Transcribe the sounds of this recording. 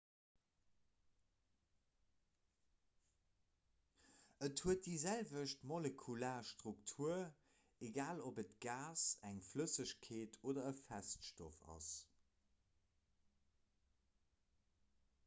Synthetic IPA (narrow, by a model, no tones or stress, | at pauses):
əthuət̚dizælvəʃtmolekʰulaːʃtʁuktʰuɐ | eɡaːlobətɡ̥aːsæŋfləsəɕkʰeːtʰoːdɐəfæstʃto̰fɑ̰s